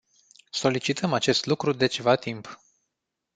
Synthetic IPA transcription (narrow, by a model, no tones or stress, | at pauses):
so̞lit͡ʃit̪ʰəmat͡ʃe̞st̪lukɾud̪e̞t͡ʃe̞vat̪imp